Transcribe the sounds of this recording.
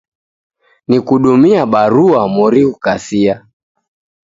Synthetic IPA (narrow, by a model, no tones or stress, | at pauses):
nikuɗumiaɓaɾuamɔɾiukasia